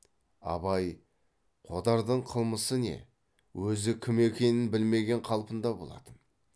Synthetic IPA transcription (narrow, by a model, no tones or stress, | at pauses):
ɑ̰bɑj | qʰo̞d̪ɑɾd̪əɴqʰəlˠməsəne̞̰ | wɵzɪkʲʰɪme̞kʲe̞nɪnbɪlme̞ɡʲe̞ɴqʰɑlˠpənd̪ɑbo̞lˠɑ̰t̪ən